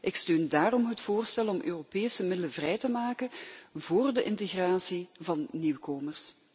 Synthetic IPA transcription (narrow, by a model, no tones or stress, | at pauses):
ʔɪkstøːndaːɾɔmɦətfoːrstɛlɔmʔø̰ːropeːsəmɪdələvrɛjtəmaːkəvoːrdəʔɪnteɣraːsivɑnːiwkoːmərs